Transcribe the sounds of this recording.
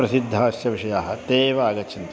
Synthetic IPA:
ɾɐsid̪ʱːaːsjɐʋiʃɐjaːɦɐ̆t̪eːʋaːɡɐt͡ʃɐnt̪

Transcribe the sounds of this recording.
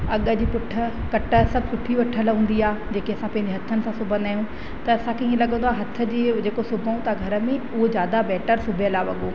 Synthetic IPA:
ɐɠə̆d͡ʑiːpʊʈʰːə̆kɐʈə̆sɐb̚ʱkʊʈʰːiʋɐʈʰːəlɦũːn̆d̪iaːd͡ʑeːkeɐsãpɐ̃ɦɪ̃ɲd͡ʑeɦɐt̪ʰənɪ̆sãsʊbʱə̃nd̪aːɦjũ | t̪ɐɐsãkʰĩːẽlɐɡə̃nd̪oaːɦɐt̪ʰə̆d͡ʑiːd͡ʑeːkosʊbʱaũt̪aɡʱɐɾəmẽʊɦod͡ʑjaːd̪abɛːʈəɾsʊbʱɐlaːʋɐ̰ɠoː

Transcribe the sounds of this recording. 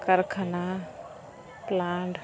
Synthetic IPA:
kəɾkʰana | plaːɳɖ

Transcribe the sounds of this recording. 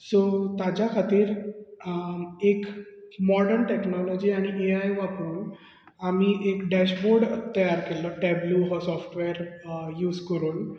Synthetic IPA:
sot̪ad͡ʑjakʰat̪iːɾ | ekmɔɽəɾɳʈeknɔlɔd͡ʑiːaɽ̃iʔeajʋapɾuːn | amiʔekɖæɕboɾɖət̪ːəjaɾkelɔʈɛbluːɦɔsɔfʈʋeɾjuːd͡zkəɾuːn

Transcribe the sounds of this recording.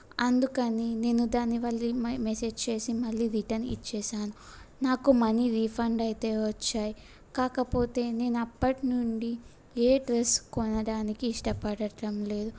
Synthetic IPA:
ɐnd̪ukɐnine̞ːnːud̪aːnːiʋɐɭːimese̞ːd͡ʒt͡ʃe̞ːsimɐɭːiːɾiʈɐnḭt͡ʃːɛːʃaːnunaːkumɐniɾiːpʰɐɳɖɐjt̪e̞ːʋɐt͡ʃːaːji | kaːkɐpo̞ːt̪e̞ːne̞ːnuɐpːɐʈinuɳɖi | eːɖɾeskɔnɐɽaːnikiːʂʈɐpɐɽɐʈɐmle̞ːd̪u

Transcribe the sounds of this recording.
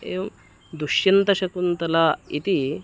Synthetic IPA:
em | d̪uɕjɐnt̪ɐɕɐkuːnt̪ɐlait̪i

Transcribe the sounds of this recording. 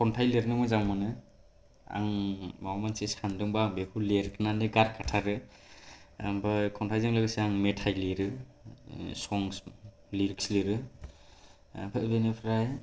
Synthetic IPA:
kʰɔntʰajleɾɯnɯmɔjzaŋmanɯ | a̰ŋmawamansesandɯŋbabehʰuleɾkʰɯnanɯɡaɾkʰatʰaɾɯ | bɯjkʰɔntʰajzɯŋlɯɡɯseaŋmetʰajliɾɯ | sɔŋs | liɾiksliɾɯ | pʰɯbenepʰɾaj

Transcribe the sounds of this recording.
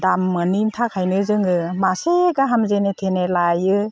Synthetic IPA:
damːɯnintʰakʰajnɯzɯŋɯmaseɡaɦamzenetʰenelajɯ

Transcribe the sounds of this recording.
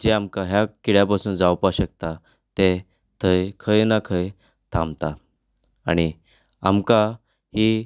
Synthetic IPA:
d͡ʑeamkaɦjakiɽjapasuːnd͡zawpaɕək̚t̪a | t̪e | t̪ʰəjkʰəjnakʰəj | t̪ʰãmt̪a | aɽ̃i | amka | hiː

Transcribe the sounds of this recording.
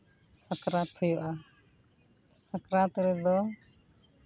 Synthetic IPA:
sakɾat̪ʰːɔjuʔa | sakɾat̪ɾɛd̪ɔ

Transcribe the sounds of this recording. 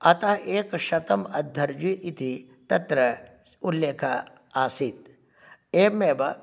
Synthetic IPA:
ɐt̪aʔeːkʃɐt̪ɐmɐd̪ʱːɐɾd͡ʒiʔit̪i | t̪ɐt̪ɾɐ | ʊlːeːkʰa | aːsiːt̪̚ | eːmeːbɐ

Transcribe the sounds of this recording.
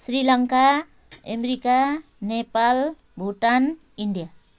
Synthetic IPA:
srilʌŋka | emɾika | nepal | bʱuʈan | iɳɖija

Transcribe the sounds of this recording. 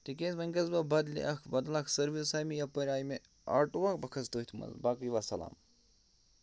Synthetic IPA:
t̪ikʲesmɐŋʲɡɐzbɐbɐd̪lḭʔɐkʰbɐd̪laːkʰsɐɾʋisaːmijapɐɾʲaːjme | a̰ːʈuʋakbɐkʰɐst̪oit̪ʰmɐ̰zbaːkiʋasɐla̰ːm

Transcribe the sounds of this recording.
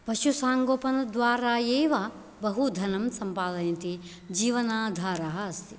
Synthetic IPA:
pɐʃusaːŋɡoːpɐnɐd̪ʋaːɾaːjeːʋɐ | bɐɦud̪ʱɐnɐmsɐmpaːd̪ɐjɐnt̪i | d͡ʒiːʋɐnaːd̪ʱaːɾɐɦɐɐst̪ʰi

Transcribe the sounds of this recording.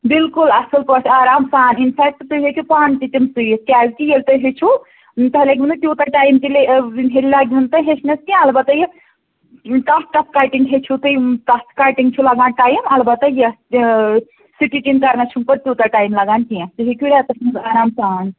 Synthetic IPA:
bilkulɐsɐlpɐʈaːɾaːmsaːninpʰɛk̚t̪t̪ɨɦekipaːnt̪it̪imsɨjiskʲaːzkijelt̪ɐɦet͡ʃʰu | t̪ɐɦleɡʲunɨt̪ʲjuːt̪aʈaːjmkileinɦelilaɡʲunt̪ɐɦet͡ʃʰnɐskiãɐlbɐt̪ɐje | ʈasʈɐskaʈiŋɡɦet͡ʃʰut̪ɨjʈɐskaːʈiŋɡt͡ʃʰulɐɡãnʈaːjmɐlbɐt̪ːɐjɐ | siʈiʈinkɐɾnat͡ʃʰumpɐɾt̪ʲjuːt̪aʈaːjmlɐɡaːnkiãst̪ɨɦekʲjuɾat̪ɐsʰnɐsaːɾaːmsaːn

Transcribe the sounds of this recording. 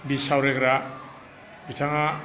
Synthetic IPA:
bisawɾeɡɾa | bitʰaŋa

